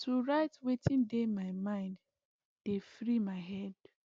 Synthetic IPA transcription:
tʰuɹaɪtwetʰĩndemaɪmãɪ̃nd | d̥efɹimaɪɦɛd

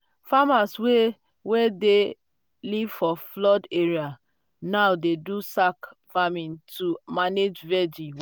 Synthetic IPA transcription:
famaswe | wede | livfɔflɔdeɹia | nawdedusakfamĩntumaned͡ʒvɛd͡ʒĩ

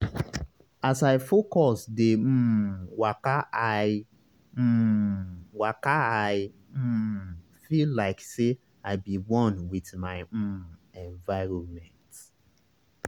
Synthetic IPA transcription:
asajfokɔsdem̩̃ːwakaa | m̩ | wakaai | m̩ | fillaɪkse | aɪbiwɔ̃nwiθmaɪõnɛ̃nvaɪɾõmɛ̃nt

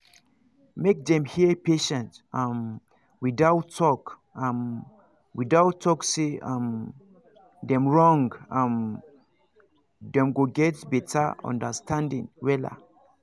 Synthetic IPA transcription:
mek̚dɛ̃mhiəpeʃɛ̃ntãm | widaʊtʰːɔk | ãm | widaʊtʰːɔkseãm | dɛ̃mɹɔ̃ŋɡãm | dɛ̃mɡoɡɛtbɛtʰaɔ̰̃ndəstʰãndḭ̃ŋwɛla̰

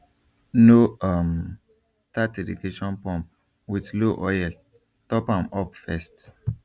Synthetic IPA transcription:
noam | stat̚ɛdḭɡeʃɔ̃npɔ̃mp | widloʔɔjɛl | tɔpãmɔpfɛst

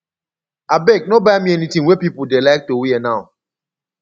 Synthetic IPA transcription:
abek̚nobajmiɛnitĩŋwepipudelaɪk̚towiɛnaʊ

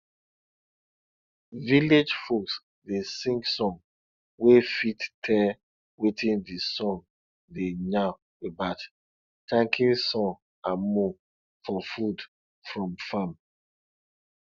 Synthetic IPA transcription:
viled͡ʒfoks | desĩŋksɔ̃m | wefittʰɛ | witĩndisɔ̃n | dena | ebat | tãŋkʰĩnsɔ̃n | ãmɔ | fɔfud | fɹɔ̃mfam

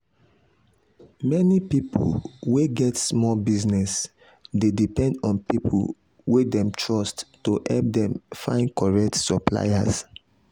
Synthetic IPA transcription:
mɛnipipʰo̰lweɡɛtsmɔbiznɛs | dedipɛ̃ndɔ̃npipʰṵl | wedɛ̃mtʰɹɔsttːoʔɛlp̚dɛ̃mfã̰ɪ̃ndkɔɹɛk̚tsɔpla̰ja̰s

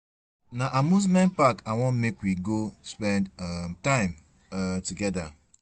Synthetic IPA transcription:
naʔamuz̬mɛ̃npakawɔ̃m̩mekwiɡospɛ̃ndtãɪ̃m | tuɡɛda̰

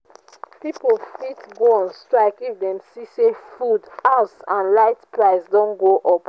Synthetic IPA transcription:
pipl̩fitbɔnstɹaɪkifdɛ̃msisefudaʊsãnlaɪtpɹaɪsdɔ̃nɡoʔɔp

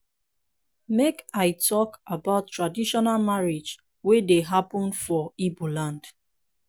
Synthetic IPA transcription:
mekaɪtʰɔkabaʊtːɹadiʃɔnalmaɹid͡ʒ | wedeɦapɔ̃nfɔibolãnd̥

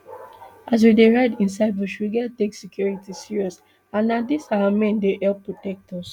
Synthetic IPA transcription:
as̬wideɹaɪdĩns̬aɪdbuʃuɡɛteksikjɔɹitisiɹiɔs | ãnːadisawamɛ̃ndehɛlpːɹotɛk̚tɔs

